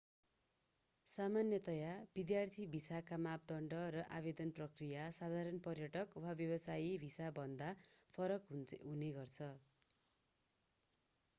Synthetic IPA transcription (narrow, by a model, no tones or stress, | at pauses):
samanjʌt̪ʌjab̥id̪jart̪ʰibʱisakamap̚d̪ʌɳɖʌrʌʔabed̪ʌnprʌkrijasad̪ʱaɾʌnpʌrjʌʈʌkwabjʌbʌsaibʱisabʱʌnd̪apʰʌɾʌkɦɦuneɡʌrt͡sʰʌ